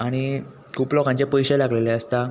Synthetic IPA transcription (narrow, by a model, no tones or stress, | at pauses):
aɽ̃i | kʰuːplɔkãɲt͡ɕepəjɕelaɡleleəst̪a